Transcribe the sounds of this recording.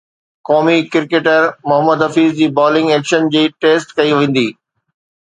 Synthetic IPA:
kɔːmikɪɾkeːʈəɾmʊɦəməd̪ɦɐfiːzd͡ʑiːbɔːlɪ̃ŋɡeːkʃənd͡ʑiːʈeːsʈkɐiʋẽːn̆d̪iː

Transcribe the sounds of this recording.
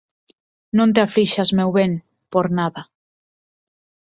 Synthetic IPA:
nõnt̪̬eafɾiʃazmewβeŋ | poɾnaða

